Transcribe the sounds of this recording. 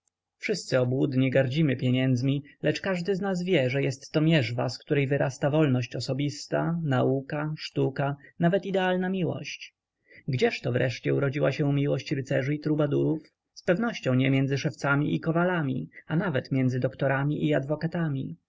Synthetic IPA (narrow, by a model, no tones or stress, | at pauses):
fʂɘst̪sɘɔbwud̪ɲɛɡaɾd͡ʑimɘpʲjɛɲɛnd̪zmʲilɛt͡ʂkaʐd̪ɘznasvʲjɛʐɛjɛst̪ːɔmʲjɛʐva̰skt̪uɾɛjvɘɾʔast̪avɔlnɔɕt͡ɕɔsɔbʲist̪a̰naukaʂt̪ukanavɛt̪id̪ɛalnamʲiwɔ̰ɕt͡ɕ | ɡd͡ʑɛʂt̪ɔvɾɛ̰ʂt͡ɕɛuɾɔd͡ʑiwaɕɛumʲiwɔɕt͡ɕɾɘt̪sɛʐɘit̪ɾubad̪uɾuf | spɛvnɔɕt͡ɕɔ̃w̃ɲɛmʲjɛnzɘʂɛft̪samʲḭʔikɔvalamʲḭanavɛt̪mʲjɛnzɘd̪ɔkt̪ɔɾamʲiʔiad̪vɔkat̪amʲḭ